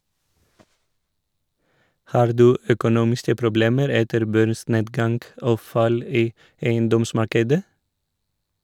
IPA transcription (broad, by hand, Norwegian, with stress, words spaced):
ˈhɑːɾ ˈdʉː œkʊˈnuːmɪskə pɾʊˈbleːməɾ ˈɛtəɾ ˈbœɾˌsneːdɡɑŋɡ ˈoː ˈfɑl ˈiː ˈeɪənˌdɔmˌsmɑɾkədə